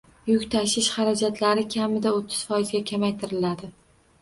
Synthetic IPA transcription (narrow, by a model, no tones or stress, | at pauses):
jʊkʲt̪ʰaʃɪʃχɑɾad͡ʒat̪ʰlaɾɪkʲʰamɪd̪aot̪ʰːɪ̥z̥fɒjɪzɡʲakʲʰamajt̪ʰɪɾɪlad̪ɪ